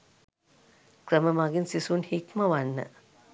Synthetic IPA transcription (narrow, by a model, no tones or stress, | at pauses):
kɾəməmaɡinsisunhikmɐʋanːə̰